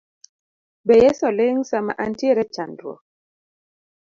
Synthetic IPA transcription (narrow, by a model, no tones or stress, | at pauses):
bɛjɛsɔleŋsama̰ʔantjeɾɛt͡ʃandwɔ̰